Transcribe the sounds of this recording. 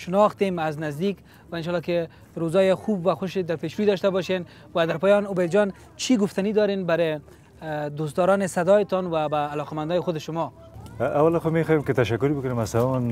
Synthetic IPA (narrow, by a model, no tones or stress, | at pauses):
ʃɪnɔxt̪emaznazd̪ik | waɪnʃɔlːɔkɪ | ɾozɔjɪxubwaxʊʃed̪aɾpeʃwuid̪ɔʃt̪abɔʃen | wad̪aɾpɔjɔnʊbajd̪d͡ʒɔn | t͡ʃʰiɡʊft̪anid̪ɔɾenbaɾɪ | d̪ost̪d̪ɔɾɔnɪsad̪ɔjɪt̪ɔnwabaːlɔqamand̪ɔjɪxʊd̪ɪʃʊmɔ | awalaxʊmexɔjemkɪt̪aʃakːʊɾbʊkʊnemasawɔn